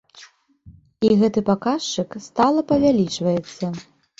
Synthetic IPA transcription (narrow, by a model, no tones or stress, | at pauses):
iɣɛt̪ɨpakaʂt͡ʂɨkst̪alˠɐpɐvʲalʲit͡ʂvɐjɛt̪sːɐ